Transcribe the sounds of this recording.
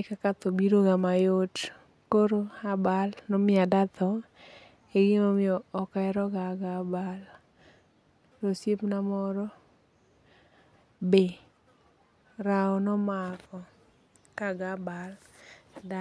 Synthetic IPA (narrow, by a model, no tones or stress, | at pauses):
ɪkakat̪obiɾoɡamajot | koɾoabalnɔmɪadat̪ɔ | eɡɪnomɪɔːkaɛɾɔɡaɡabal | nosjepnamɔɾɔ | be | ɾaɔnɔmakɔ | kaɡabal | da